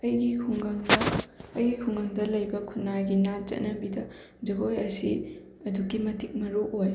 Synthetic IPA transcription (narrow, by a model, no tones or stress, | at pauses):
ɐjɡikʰuŋɡaŋdɐɐjɡikʰuŋɡaŋdɐlɐjbɐkʰunːajɡinat͡ʃɐ̰t̚nɐbidɐ | d͡ʒɐɡojɐsḭ | ɐduɡimɐtʰik̚mɐɾuʔoj